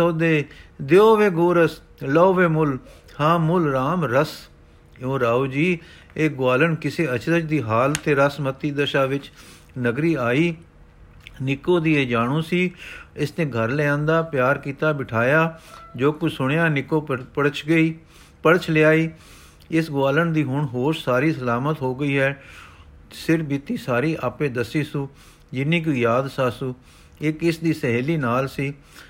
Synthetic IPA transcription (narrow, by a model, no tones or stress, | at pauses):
soːd̪eːd̪eoːʋeːɡoːɾəs | ləoːʋeːmʊl | hãːmʊlɾaːmɾəs | õːɾaːoːd͡ʒiː | eːɡwaːləɳkɪseːət͡ʃʰd̪ət͡ʃʰd̪iːɦaːlt̪ʰeːɾəsmət̪ːiːd̪əʃaːʋɪt͡ʃ | nəɡɾiːaːiː | nɪkoːd̪iːeːd͡ʒaːɽ̃ũːsiːɪsnẽːɡʱəɾləãːnd̪aːpjaːɾkiːt̪aːbɪʈʰaːjaːd͡ʒoːkʊt͡ʃsʊɳ̃jaːnɪkõːpəɽət͡ʃʰɡəiː | pəɽət͡ʃʰlɪaːiː | ɪsɡwaːləɳd̪iːɦʊɳɦoːɾsaːɾiːsəlaːmət̪ɦoːɡəiːɦɛː | sɪɾfbiːt̪iːsaːɾiːʔaːpẽːd̪əsiːsũː | d͡ʒɪniːk̬iːjaːd̪saːsũː | ɪkɪsd̪iːsəɦɛːliːnaːlsiː